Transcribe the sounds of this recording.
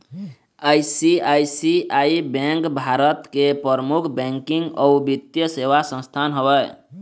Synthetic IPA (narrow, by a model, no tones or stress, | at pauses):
ajsiajsiaibɛ̃ŋkbʱaɾət̪kepɾəɾəmukʰbɛ̃ŋkiŋɡɔubit̪jəsewasə̃st̪ʰanɦəbəj